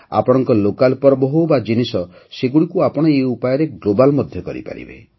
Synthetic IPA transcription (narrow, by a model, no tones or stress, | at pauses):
a̰pɔɽ̃ɔŋkɔlokalpɔɾɔbɔɦobad͡ʒinisɔseɡuɽikuapɔɽ̃ɔeupajɔɾeɡlobalmɔd̪ʱjɔkɔɾḭpa̰ɾḭbḛ